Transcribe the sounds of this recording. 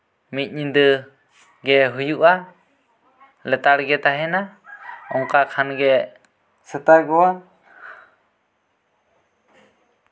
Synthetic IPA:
mit̪̚ˀɲind̪ə | ɡɛɦujuʔa | lɛt̪aɽɡɛt̪aɦɛnaɔŋkakʰanɡɛ | sət̪aɡɔwa

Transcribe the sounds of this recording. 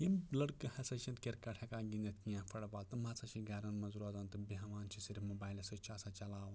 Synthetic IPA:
jimlɐɽkɨhɐsɐʃɐ̃nt̪kʲeɾkɐʈʰekaːɡĩnd̪ɐt̪kijãːfʰɐɽbaːlt̪ɨmaːt͡sɐt͡ʃʰiɡɐɾɐnmɐzuɾaːzaːnt̪ɨbiɦɐʋaːnt͡ʃʰisiɾfmoːbaːjlɐsɐt͡ʃʰaːsat͡ʃɐlaːʋɐ

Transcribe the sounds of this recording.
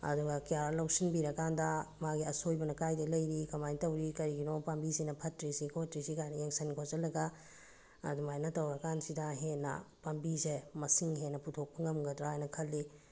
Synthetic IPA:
ɐ̰duɡɐkijaɾlowsinbiɾɐkandɐmaɡiɐsojbɐnɐkajdɐlɐjɾikɐmajntɐwɾikɐɾiɡinopambisinɐpʰɐtɾisikotɾisikajnɐeŋsɐnkʰozɐlɐɡɐ | ɐ̰dumajnɐtɐwɾɐkansidɐɦenːɐ̰pambisemɐsiŋɦenɐputʰok̚pɐŋɐmɡɐdɾaajnɐkʰɐlːi

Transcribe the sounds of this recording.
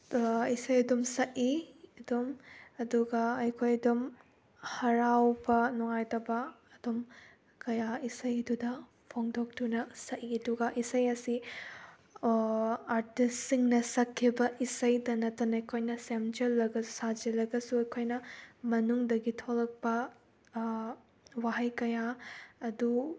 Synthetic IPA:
isɐjɐdumsɐʔiɐdumɐduɡɐɐjkʰojɐdum | hɐɾawbɐnuŋajtɐbɐː | dum | kɐjaisɐjɐdudɐ | pʰoŋdok̚tunɐsɐʔiɐduɡɐʔisɐjɐsi | aɾtisiŋnɐsɐkʰːibɐʔisɐjdɐnɐtːɐnɐɐjkʰojnɐsemd͡ʒɐlːɐɡɐu̥sad͡ʒɐlɐɡɐsuɐjkʰojnɐmɐnuŋdɐɡitʰolɐk̚pɐ | waɦɐjkɐjaːdu

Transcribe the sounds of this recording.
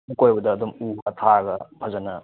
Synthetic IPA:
mukojbɐdɐːdɔmuɐt̪ʰaɡɐpʰɐzɐnɐ

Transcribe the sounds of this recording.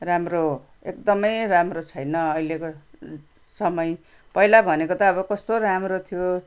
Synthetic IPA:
ramro | ekd̪ʌmʌjramrot͡sʰʌjnʌʌjleko | sʌmʌj | pʌilabʱʌnekot̪ʌʌβʌkʌst̪oɾamrot̪ʰijo

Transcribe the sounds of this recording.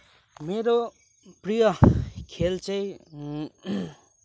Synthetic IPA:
meɾo | prijʌkʰelt͡sʌj

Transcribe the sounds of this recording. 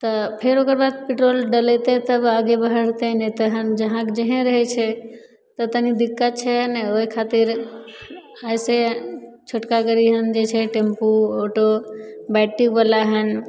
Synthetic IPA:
t̪əpʰeɾokəɾbad̪peʈɾolɖəlet̪et̪əbaɡebəɦəɽ̤t̪enɛt̪əɦənd͡ʒəɦãkd͡ʒəɦẽɾəɦɛt͡ʃʰɛ | t̪ət̪ənid̪ikːət͡ʃʰɛnɛoɦikʰat̪iɾ | əɪset͡ʃʰoʈkaɡəɾiɦənd͡ʒet͡ʃʰɛʈempuoʈobɛʈːikbəlaɦən

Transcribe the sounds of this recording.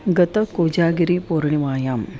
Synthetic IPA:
ɡɐt̪ɐkoːd͡ʒaːɡiɾiːpoːɾɳiʋaːjaːm

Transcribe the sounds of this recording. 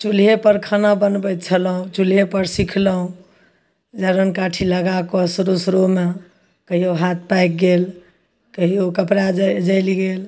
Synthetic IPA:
t͡ʃulɦepəɾkʰanabənbət̪̚t͡ʃʰəlɦũt͡ʃulɦepəɾsikʰləɦũ | d͡ʒaɾənkaʈʰiləɡakosɾosɾome | kəɦioɦat̪̚ʰpajk̚ɡel | kəɦiokəpɾad͡ʒəjliɡel

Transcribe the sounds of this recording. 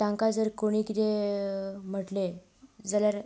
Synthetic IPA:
t̪ãŋkad͡zəɾkoɽ̃iːkit̪e | m̤əʈle | d͡zaljaɾ

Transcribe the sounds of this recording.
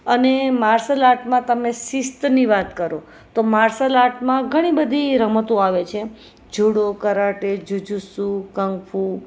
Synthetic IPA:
ənemaɾsəlaʈmãt̪əmesɪst̪niʋat̪kəɾo | t̪omaɾsəlaʈmãɡʱəɽ̃ibəd̪ʱiɾəmət̪ũaʋet͡ʃʰe | d͡ʒʱuɽokəɾaʈed͡ʒud͡ʒusukəŋɡfʰu

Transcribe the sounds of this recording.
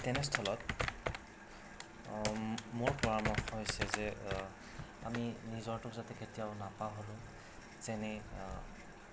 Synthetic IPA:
tɛnɛstʰɔlɔt | mʊɹpɔɹamɔxhojsɛzɛ | aminizɔɹtʊkzatɛketijaʊnapaɦolʊ̃ | zɛnɛ

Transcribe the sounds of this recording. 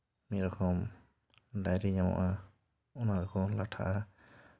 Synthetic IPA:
miɾɔkɔm | dajɾiɲamɔ̰ʔa | ɔnaɾɔkɔlaʈʰa̰ʔa

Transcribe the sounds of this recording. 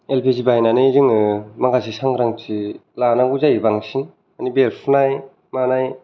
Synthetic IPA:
elpʰizibajnanɯzɯŋɯmaŋɡasisaŋɡɾaŋtʰilanaŋɡuzajbaŋsin | anibeɾpʰunaj | manaj

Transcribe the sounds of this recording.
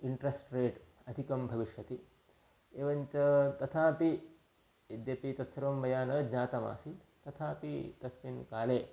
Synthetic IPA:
iɳʈɾesʈɾeːʈ | ɐd̪ʱikɐmbʱɐʋiʂjɐt̪i | eːʋɐɲt͡ʃɐt̪ɐt̪ʰaːpi | ed̪jɐpit̪ɐt̪sɐɾʋɐmːɐjaːnɐdɲaːt̪ɐma̰ːsi | t̪ɐt̪ʰaːpit̪ɐsminkaːleː

